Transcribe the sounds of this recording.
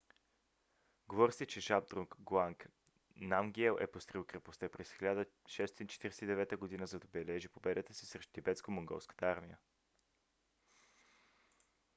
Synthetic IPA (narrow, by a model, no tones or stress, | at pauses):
ɡovɔɾsit͡ʃɛʒab̚d̪ɾuŋkɡlˠaŋk | namɡɛlˠʔɛ̰post̪ɾilˠkɾɛpost̪ɛpɾɛsxilʲad̪ə | ʃɛsot̪int͡ʃɛ̥t̪iɾɛsɛid̪ɛvɛt̪əɡod̪inəzɐd̪ɐbɛlɛʒipobɛd̪ət̪əsi̥sɾɛʃtt̪ibɛt̪skomoŋɡɔ̰lˠskə̥t̪əaɾmijə